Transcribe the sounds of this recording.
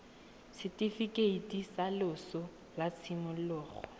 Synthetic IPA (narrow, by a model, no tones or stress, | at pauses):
sɪtʼifikʼeitʼisalʊsʊ | lat͡sʰimʊlʊːχɔ̰